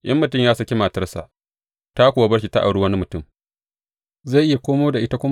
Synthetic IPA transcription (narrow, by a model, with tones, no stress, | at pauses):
ʔɐ˦mːʊ˨tʊ˦˨mjaː˦sɐ˦kʲe˦maː˨tɐ˦rsa̰˨ʔ | ta˦kʷʊ˨a˦bɐ˦ɽʃ̬i˨ta˦ʔa̰˨ɽu˦wɐ˦ni˦mʊ˨tʊ˦˨m | za˦˨ʔɪ˦ja˨kʷoː˦moː˦da˨ʔɪ˦ta˦kʷʊ˦m